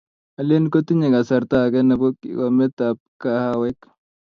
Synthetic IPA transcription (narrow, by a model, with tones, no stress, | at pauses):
a˨le˦nko˦t̪i˦ɲe˨ɡa˨sa˨ɾt̪a˦kɛ˦na˨bo˦kḭ˨ka˨mɛ˦t̪a˨p̚ka˨hawɛ˦k